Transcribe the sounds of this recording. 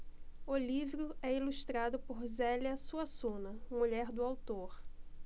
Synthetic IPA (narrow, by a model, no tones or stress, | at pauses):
olivɾʊɛiluʃt̪ɾad̪ʊpoɾzɛliɐsuɐsũnɐmuʎɛɾd̪ʊawt̪oɾ